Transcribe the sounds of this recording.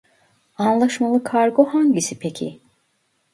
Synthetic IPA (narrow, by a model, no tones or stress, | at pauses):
anlˠaʃmalˠɯkʰaɾɡohaɲɟisipʰecʰḭ